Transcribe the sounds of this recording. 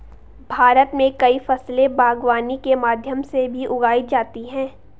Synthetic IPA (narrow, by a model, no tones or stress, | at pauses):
bʱaːɾət̪mẽkɐifɐslẽbaːɡwaːnikemaːd̪ʱjəmsebʱiʔʊɡaːid͡ʒaːt̪iɦɛ̃ː